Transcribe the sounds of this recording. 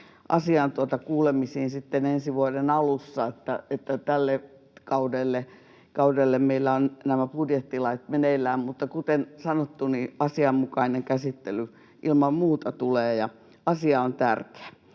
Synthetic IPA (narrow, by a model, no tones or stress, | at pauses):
ʔɑ̰siɑnt̪uot̪ɑkuːlemisiːnsit̪ːenensiʋuodenɑlusːɑet̪ːæet̪ːæt̪ælːe | kɑudelːe | kɑudelːemmeilːæonnæmæpudjet̪ːilɑit̪meneilːˑæːmmut̪ːɑkut̪ensɑnot̪ːuniɑsiɑmmukɑineŋkæsit̪ːely | ʔilmɑmmuːt̪ɑt̪uleːjɑ | ɑsiɑont̪ærke̥æ